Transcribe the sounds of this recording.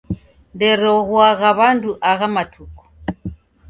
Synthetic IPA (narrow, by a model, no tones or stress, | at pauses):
ndɛɾɔɣwaɣaβanduʔaɣamatʰuku̥